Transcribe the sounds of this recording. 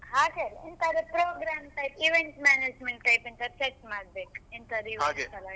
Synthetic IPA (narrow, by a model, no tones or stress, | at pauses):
ɦaːɡelint̪ɐd̪upɾoːɡɾaːmʈɐjpiʋeɳʈmaːneːd͡ʒmeɳʈʈɐjpint̪ɐt͡ʃeʈ̚ʈmaːɽbeːkint̪ɐd̪iʋeaɡesɐla